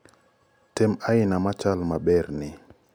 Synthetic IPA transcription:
tɛmajnamat͡ʃalmaɓɛɾni

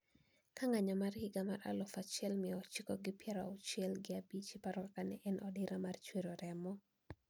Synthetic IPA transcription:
kaŋaɲamarhɪɡamaɾa̰lɔfat͡ʃjɛlmɪɔt͡ʃikoɡɪpjɛɾaɔt͡ʃɛlɡɪabit͡ʃipaɾwkanɛʔɛnʔɔdɪɾamart͡ʃweɾoɾɛmɔ

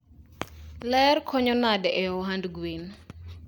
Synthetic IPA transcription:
lɛrkʰɔɲɔnadɛʔɛɔɦandɡwin

